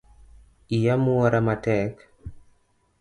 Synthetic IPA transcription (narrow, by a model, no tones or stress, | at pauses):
ijamuaɾamatɛk